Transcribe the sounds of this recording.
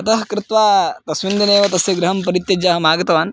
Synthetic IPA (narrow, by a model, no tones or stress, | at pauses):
ɐt̪ɐɦkɾɪt̪ʋaːt̪ɐsʋind̪ineːʋɐt̪ɐsjɐɡɾɐɦɐmpɐɾit̪jɐd͡ʒaːɦɐmaːɡɐt̪ɐʋaːn